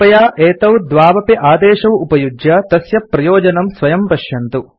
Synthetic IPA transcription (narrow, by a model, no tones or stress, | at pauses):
pɐjaːʔeːt̪ɐwd̪ʋaːʋɐpiʔaːd̪ɛːʃɐwupɐjud͡ʒjɐt̪ɐsjɐpɾɐjoːd͡ʒɐnɐmsʋɐjɐmpɐʃjɐnt̪u